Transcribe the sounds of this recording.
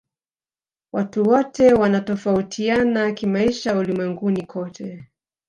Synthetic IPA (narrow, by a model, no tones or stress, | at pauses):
watuwɔtɛwanatɔfautʰianakimaiʃaulimwɛŋɡunikʰɔtʰɛ